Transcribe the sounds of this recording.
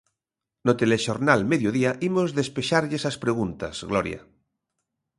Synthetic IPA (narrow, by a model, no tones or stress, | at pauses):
not̪eleʃoɾnalmeðjoðiaʔimozðespeʃaɾʎesaspɾeɣ̞unt̪a̰z̥ɣloɾja̰